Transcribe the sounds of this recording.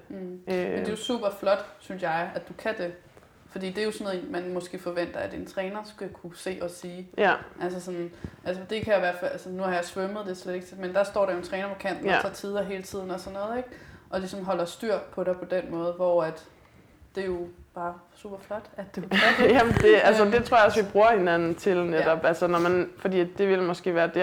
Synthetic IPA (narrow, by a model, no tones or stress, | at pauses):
m̩mend̥e̝jo̝sṵːb̥ɐflɒ̽d̥synsjɑ̈ɪæ̥d̥ukʰæd̥e̝ | fɒ̽d̥ḭːd̥e̝jo̝sɔn̩ˠḛnmænmɔ̽sɡ̥e̝̰ːfɒ̽ʋen̰d̥ɐæd̥e̝nt͡sʰʁɛːnɐsɡ̥ækʰuse̝̰ːʔɒ̽siːʔælsəsɒ̽nʔælsəd̥e̝kʰæjiʋæɐd̥fælʔælsənuhɑ̈jɑ̈ɪsʋøməð̩ˠd̥e̝sled̥e̝ɡ̥t͡sʰemend̥ɑ̈sd̥ɒ̰ːɾɑjo̝nt͡sʰʁɛːnɐpʰɒ̽kʰæn̰d̥n̩ʰɑ̈ːt͡sʰiːð̞ˠɐɦe̝ːlət͡sʰið̞̰ˠn̩ɒ̽sɒ̽nːɔ̽ːð̞ˠeɡ̥ʔɒ̽lisɒ̽mɦɒ̽l̰ɐsd̥yɐ̰pʰɒ̽ɾ̥ɑ̈pʰɒ̽d̥enmɔ̽ːð̞̩ˠʋɒæd̥ | d̥e̝jo̝b̥ɑ̈ːsṵːb̥ɐflɒ̽d̥æd̥d̥e̝æ̥jæmnd̥e̝ælsəd̥e̝t͡sʰʁo̝ɐ̰ɑ̈ɒ̽sʋib̥ʁuːɐhe̝nænn̩t͡sʰe̝lnedɾ̥ɒ̽b̥ælsənɒmænfɒ̽d̥ḭːd̥e̝ʋe̝lmɒ̽sɡ̥e̝̰ːʋæːɐd̥e̝